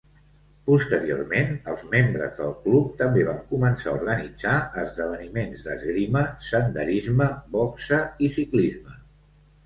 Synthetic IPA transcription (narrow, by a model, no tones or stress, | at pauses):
pust̪əɾio̰rmenəlˠzmembɾə̰zðəlˠklup̚t̪əmbeβ̞aŋkumənsauɾɣənid͡zaəzðəβənimenzðə̰zɣɾiməsənd̪əɾizməbɔksəisiklizmə